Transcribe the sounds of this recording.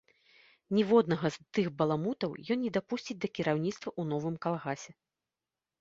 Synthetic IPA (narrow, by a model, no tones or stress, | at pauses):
nʲɛvɔd̪nɐɣɐzt̪ɨxbɐlˠamut̪ɐwjɔnnʲɛd̪apusʲt͡sʲit͡sʲd̪ɐkʲiɾawnʲit̪st̪vɐʔunɔvɨmkalˠɣasʲɛ